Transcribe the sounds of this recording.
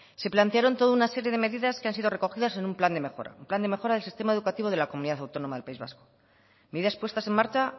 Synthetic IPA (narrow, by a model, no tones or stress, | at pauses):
se̞plant̪eaɾo̞nt̪o̞ðaunase̞ɾje̞ðe̞me̞ðiðaskeansiðo̞re̞ko̞xiðase̞numpland̪e̞me̞xo̞̰ɾa̰umpland̪e̞me̞xo̞ɾaðelsist̪e̞mae̞ðukat̪iβ̞o̞ð̞e̞lakomuniðaθawt̪o̞no̞maðelpaizβa̰sko̞̥ | me̞ðiðaspwest̪ase̞maɾt͡ʃa